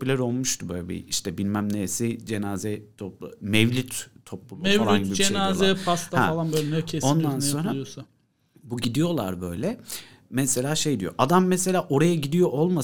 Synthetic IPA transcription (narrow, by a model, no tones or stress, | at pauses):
ylʲæɾo̞lˠmuʃt̪ʰubø̰jlʲɛbḭiʃt̪ʰɛbilʲmæmnesid͡ʒe̞naːzɛt̪ʰoplˠmɛvlʲit̪ʰːo̞plˠulˠumfalˠnɟiibid͡ʒeinaːzɛfʰast̪ahɛalˠanbølʲnɛcʰeso̞nd̪anso̞nɾajosa | buɟid̪ijo̞lˠa̰ɾbø̞̰jlʲɛ | mɛse̞lʲaːʃe̞jd̪ijo̞̰ʔad̪amːɛse̞lʲaːʔo̞ɾajaɟid̪ijo̞ʔo̞lˠma